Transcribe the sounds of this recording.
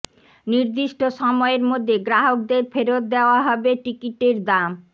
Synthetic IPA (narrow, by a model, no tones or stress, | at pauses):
niɾd̪iʃʈoʃɔmɔeɾmod̪ʱːeɡɾaɦok̚d̪eɾfeɾot̪̚d̪eoaɦɔbeʈikiʈeɾd̪am